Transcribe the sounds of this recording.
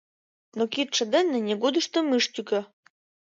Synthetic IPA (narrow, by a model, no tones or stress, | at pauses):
nokit̪ʃə̆d̪ə̆nːɘ̆nʲeɡod̪əʃt̪omɨʃt̪ʲykø̆